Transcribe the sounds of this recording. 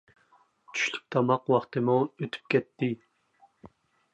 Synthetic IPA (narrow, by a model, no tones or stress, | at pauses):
t͡ʃʰy̥ʃly̥k̚ʲt̪ʰɑmɑqwɑχt̪ɨmuøt̪ʰy̥p̚kʲɛt̪ʰːɪ